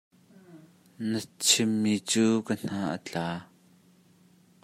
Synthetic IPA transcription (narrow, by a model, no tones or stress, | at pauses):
nət͡sʰɪmːit͡suːkən̥aːʔə̰t͡ɬaː